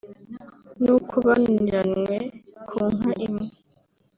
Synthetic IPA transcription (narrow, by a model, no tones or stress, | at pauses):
nukʰuβaniɾanwekʰuːŋ̥haʔimŋe